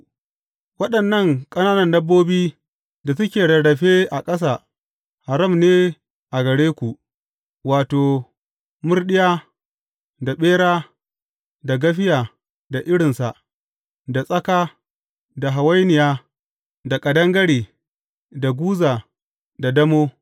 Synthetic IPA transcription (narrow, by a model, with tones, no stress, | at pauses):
wɐ˦ɗɐ˨nːɐ˦˨ŋkʼɐ˦naː˦nɐ˨ndɐ˦bːoː˦biː˦ | da˨sʊ˦kʲeː˨ɽɐ˨ɽɐ˨ɸeː˦ʔa˨kʼɐ˦s̬aː˨ | ha˨ɾɐ˦˨mneː˦ | ʔa˨ɡɐ˨ɽeː˦kʷu˨ʔ | waː˨toː˨ | mʊ˦rɗɪ˦jaː˦ | da˨ɓeː˦ɽaː˦ | da˨ɡɐ˦ɸ̬ɪ˦jaː˨ | da˨ʔɪ˦ɽɪ˨nsa˨ | da˨sʼɐ˦kaː˦ | da˨ɦa˨wa˦jnɪ˨jaː˦ | da˨kʼɐ˨dɐ˦ŋɡɐ˦ɽiː˨ | da˨ɡʷuː˦zaː˨ | da˨dɐ˦moː˦